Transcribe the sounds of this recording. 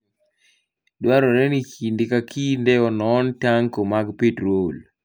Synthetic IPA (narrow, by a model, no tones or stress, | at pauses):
dwaɾɔɾɛnikʰindɪkakʰindɛɔnɔntaŋkomaɡpetɾol